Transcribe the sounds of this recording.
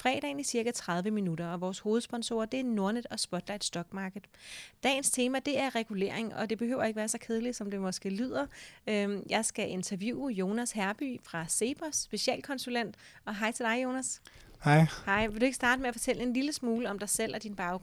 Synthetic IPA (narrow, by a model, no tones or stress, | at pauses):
fʁɛ̰ːd̥ɛ̰ːn̩isiɐkæt͡sʰʁð̞ˠʋəminud̥ɐɒ̽ʋɒːsho̝ːð̞̩ˠsb̥ɒ̽nso̝ɐd̥e̝æɐno̝ɐned̥ɒ̽sb̥ɒ̽d̥lɑɪd̥sd̥ɒ̽ɡ̥mɑ̈ːɡ̥ð̩ˠd̥ɛ̰ːn̩st͡sʰe̝ːmæd̥e̝æɐʁɛɡ̥ule̝̰ɐ̰e̝ŋʔɒ̽d̥e̝b̥e̝hø̰ʊɐe̝ɡ̥əʋæːɐsɒ̽kʰe̝ð̞ˠli̥sɒ̽md̥e̝mɒ̽sɡ̥e̝̰ːlyð̰ˠɐøjɑ̈ɪsɡ̥æʔe̝nt͡sʰɐʋjuːjo̝ːnæshæɐb̥y̰fʁɑ̈se̝ːb̥ɐsːb̥e̝siɛ̰ːlkʰɒ̽nsulen̰d̥ | ɒ̽ɦɑ̈ɪt͡sʰe̝dɑ̈ɪjo̝ːnæs | hɑɪhɑ̈ɪʋe̝ld̥ue̝ɡ̥sd̥ɑ̈ːd̥əmeæfɒ̽t͡sʰel̰əe̝nliləsmuːləɒ̽md̥ɑ̈ɪsel̰ʔɒd̥inb̥ɑ̈ʊɡ̥